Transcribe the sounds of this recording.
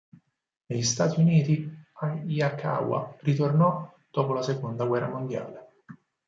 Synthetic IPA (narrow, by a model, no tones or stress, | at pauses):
neʎist̪aːt̪iuniːt̪iaiakʰa̰wa̰rit̪ornɔd̪̥ɔːpolasekond̪aɡwɛrːa̰mond̪ja̰ːle